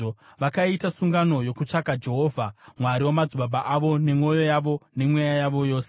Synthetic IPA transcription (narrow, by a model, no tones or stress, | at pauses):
ʋakaitasuŋɡano̞jo̞kut͡ʂakad͡ʒe̞ɦo̞ːvʱamwaɾiwomad͡zubabʱaʔaʋo̞ne̞mo̞jo̞jaʋo̞ne̞mwejajaʋo̞jo̞ːse